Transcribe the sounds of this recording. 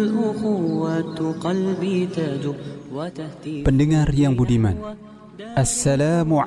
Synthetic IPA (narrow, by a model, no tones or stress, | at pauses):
lʔʊxʊwːat̪qɑlbit̪ad͡ʒɪbwpəndəŋarjaŋbudiman | ʔasːalaːmu